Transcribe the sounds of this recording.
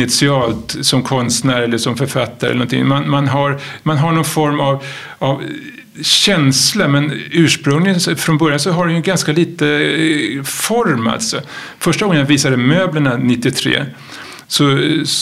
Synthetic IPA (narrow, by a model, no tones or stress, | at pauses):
ɪt̪sɪɑːlt̪sɔmkʰɔnst̪næːɾɛlːəʂɔmfœɾfat̪ːaɾɛlənɔnt̪ʰɪ̰ŋmanmanɦaɾmanɦaɳɔnfɔɾmav | av | ɕɛnslamɛnʉ̟ːʂpɾɵŋlɪsfɾɔnbœɾjansɔɦaɖɛjɵɡanskaliːt̪ə | fɔɾma̰lt̪sɔ | fœʂʈaɡɔŋːənviːsad̪əmøːbləɳanɪt̪ːɪt̪ʰɾḛː | sɔ